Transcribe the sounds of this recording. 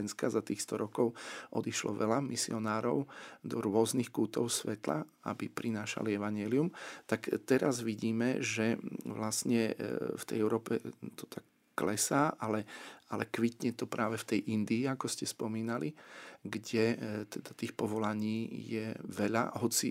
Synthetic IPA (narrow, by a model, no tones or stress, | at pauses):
ɛnskazat̪iːxst̪ɔɾɔkɔʊʔɔ̰d̪iʃlɔ̰ʋɛʎamisiɔnaːɾɔ̰ʊd̪ɔɾʊɔznixkuːt̪ɔ̰ʊsʋɛt̪la̰ | a̰bipɾʔinaːʃa̰liɛʋaɲɪɛliumt̪akt̪ɛɾazʋiɟiːmɛʒɛʋlasɲɛft̪ɛ̰jɛʊɾɔːpɛt̪ɔ̥t̪ʰakː | lɛsaːʔalɛalɛkʋit̪ɲɛt̪ɔpɾaːʋɛft̪ɛjʔind̪iːakɔscɛspɔmiːnaliɡɟɛt̪ɛd̪at̪iːxpɔʋɔlaɲiːjɛʋɛʎa̰ɦɔt͡si